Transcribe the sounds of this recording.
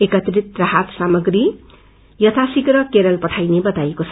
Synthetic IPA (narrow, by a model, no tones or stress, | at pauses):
ekʌt̪rit̪raɦat̪samʌɡri | jʌt̪ʰasikrʌkeɾʌlpʌʈʰajnebʌt̪ajekot͡sʰʌ